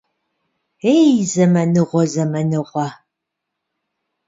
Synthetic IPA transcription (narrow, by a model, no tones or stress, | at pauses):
ejzɐmɐnɨʁʷɔzɐmɐnɨʁʷɐ